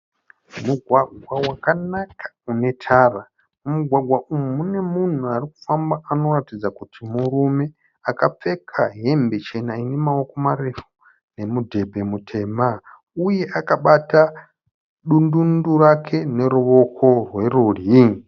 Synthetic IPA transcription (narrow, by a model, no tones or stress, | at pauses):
muɡʱwaɡʱwawakanakʰḁune̞tʰaːra | umuɡʱwaɡwaʔumumune̞mun̤uariku̥fambaano̞ratid͡zakutʰimuɾume̞ | akap͡fe̞kʰaɦe̞mbe̞t͡ʃe̞nainemaoko̞mare̞fu | ne̞mudʱe̞bʱe̞mutʰe̞ːma | uje̞ʔakaɓata | ɗundundurakʰe̞ne̞ɾuʋo̞kʰo̞rwe̞ruri